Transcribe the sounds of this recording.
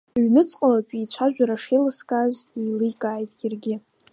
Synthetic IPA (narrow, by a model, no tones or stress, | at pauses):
ɥnɨt͡sʼqʼalakʲʷʼit͡ɕʷʰaʒᶣʷaɾaʂejlɨskʼazilɨjkʼaːjtʼjarɡʲɪ